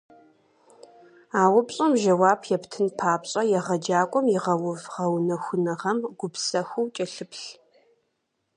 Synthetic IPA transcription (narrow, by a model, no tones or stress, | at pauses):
aːwʊpɕʼɔmʒɐwaːbjɛptʰɨnpʰaːpɕʼɐjɛʁɐd͡ʒaːkʷʼɔmjɪʁɐwʊvʁɐwnɐxʷʊnɐʁɐmɡ̥ʷʊpsɐxʷʊwt͡ʃʼɐɬɨpɬ